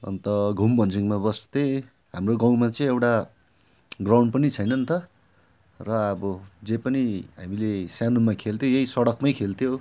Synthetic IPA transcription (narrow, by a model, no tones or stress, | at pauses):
ʌ̰nt̪ʌɡʱumbʱʌnd͡ziŋmabʌst̪e | ɦamroɡãw̃mat͡sʌĩewʈa | ɡrawɳɖ̚pʌnit͡sʰʌjnʌnt̪ʰʌ | rʌʌbʌd͡zepʌniɦamilesjanumakʰelt̪ʰjojʌisʌɽʌkmʌjkʰelt̪ʰjo